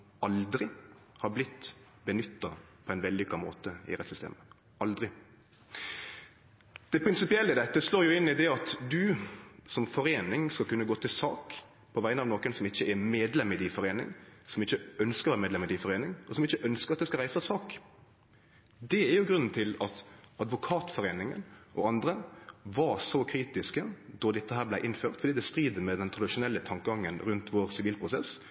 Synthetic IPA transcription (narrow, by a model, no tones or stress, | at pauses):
ɑld̪ɾɪhɑɾblɪt̪ː | bənʏt̪ːɑpʰɔæɪnʋɛlːʏkːɑmo̰ːt̪əɪ̰ɾɛt̪sʏst̪ḛːmə | ʔɑld̪ɾɪ | d̪̥ɛpʰɾɪnsɪpɪɛlːəɪd̪ɛt̪ːəsloːɾjʊɪnːɪd̪ɛɑt̪d̪ʉsɔmfɔɾeːnɪŋskɑlkʉnːəɡoːt̪ʰɪlsɑ̰ːk | pʰɔʋæɪənɑʋnoːkənsɔmɪçːəɛɾmeːd̪lɛmɪd̪ɪfɔɾeːnɪ̰ŋsɔmɪçːəœnskəʁʋæːɾəmeːd̪lɛmɪd̪ɪfɔɾeːnɪŋɔsɔmɪçːəʔœnskəʁɑt̪̚d̪ɛskɑʁæɪsəɑʋsɑːk | d̪ɛæɾjʊɡɾʉnn̩t̪ʰɪlɑt̪ɑd̪ʋʊkʰɑːt̪fɔɾeːnɪŋə̰nʔɔ̰ɑnd̪ɾəʋɑɾsɔkʰɾiːt̪ɪskəd̪ɔd̪ɛt̪ːəɦæːɾblæɪʔɪnføːʁt̪fɔɾdiːd̪ɛst̪ɾiːd̪əmɛd̪ɛnt̪ʰɾɑd̪ɪʂʊnɛlːət̪ʰɑŋkəɡɑŋːənɾʉnt̪ʰʋoːɾsɪʋiːlpʰɾʊsɛ̰s